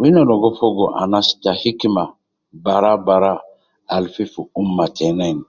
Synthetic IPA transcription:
ujenalɔɡɔfɔɡoʔã̰nasi̥tahikima | baɾabaːɾa | alififoumːatʰɛnɛ̃ni

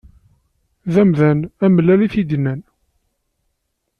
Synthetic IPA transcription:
ðæmðænæməlæliθid̪næn

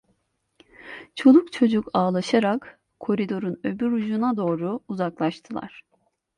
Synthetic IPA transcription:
t͡ʃʰo̞lˠukt͡ʃʰo̞d͡ʒukaːlˠaʃaɾak | kʰːo̞ɾid̪o̞ɾunøbyɾud͡ʒunad̪o̞ːɾuuzaklˠaʃt̪ʰɯlˠa̰ɾ̥

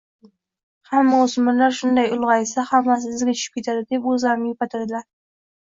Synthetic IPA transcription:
hamːaʊsʊmɒnlaɾʃʊnd̪ajʊlˠʁɑjsahamːas̬ɪzɡʲat͡ʃʰʊ̥ʃɪp̚kʲe̞t̪ʰad̪ɪd̪e̞pɵzlaɾɪnɪjepat̪ʰad̪ɪlaɾ

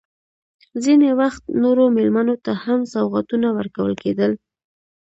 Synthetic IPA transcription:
zinewaxt̪noɾomɪlmanot̪ahamsawɣat̪unawəɾkawə̰lked̪əl

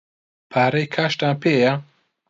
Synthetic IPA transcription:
pʰaːɾɐjkʰaːʃt̪aːnpʰeːja

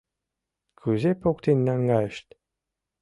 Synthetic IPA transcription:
kʰuzepokt̪enʲːæŋɡɑə̆ʃt̪ʲ

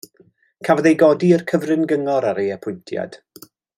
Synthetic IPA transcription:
kʰavðejɡɔdiərkʰəvrɪnɡəŋɔɾaɾejɛpʰʊjntʰja̰d̥

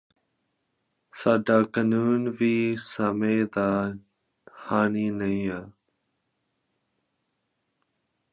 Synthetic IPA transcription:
saːɖaːkənuːnʋiːsəmeːd̪aː | haːniːnəĩːaː

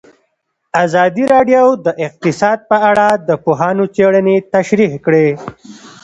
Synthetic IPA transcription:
azɑd̪iɾɑɖjowd̪əʔɪq̚t̪ɪsɑd̪̚pəaɽad̪əpoɦɑnot͡seɽənet̪aʃɾihkɽe

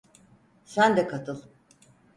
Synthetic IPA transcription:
sænd̪ɛkʰat̪ʰɯlˠ

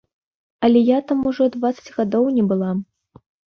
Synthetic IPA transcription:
ɐlʲɛjat̪amuʐɔd̪vat̪sɐ̥t͡sʲɣad̪ɔwnʲɛbɨlˠa

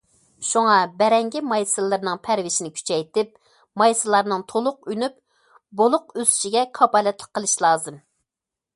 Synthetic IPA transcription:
ʃuŋɑbɛɾɛŋɡʲimɑjsɨlˠːɨɾnɨŋpʰæɾvɪʃinɪkʲʰy̥t͡ʃʰɛjt̪ɪp̚ | mɑjsɨlˠɑɾnɨŋt̪ʰolˠʊqynyp̚ | bolˠʊq̚øzy̥ʃiɡʲɛkʰɑbɑlɛt̪ʰlˠə̥qːəlˠɨʃlˠɑːzɨm

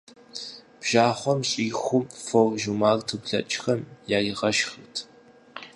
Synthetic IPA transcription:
b̥ʒ̥aːχʷɔmɕʼiːxʷʊmforʒumaːrtʰɨpɮɐ̰t͡ʃʼxɐmjaːriʁɐʃxɨtʰ

